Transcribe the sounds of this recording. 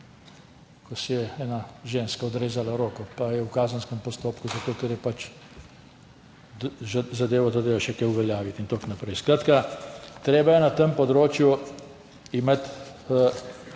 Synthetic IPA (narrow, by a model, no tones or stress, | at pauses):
kɔsɛjɛɛːnaʒeːnskaɔd̪ɾeːzalaɾoːkɔpajɛwkaːzənskɛmpɔst̪oːpkuzat̪oːkɛɾjɛpat͡ʃ | zad̪eːʋɔd̪ad̪eaʃɛkɛjuʋɛljaːʋit̪int̪oknapɾɛjskɾaːt̪kat̪ɾeːbajɛnat̪əmpɔd̪ɾoːt͡ʃju | imet̪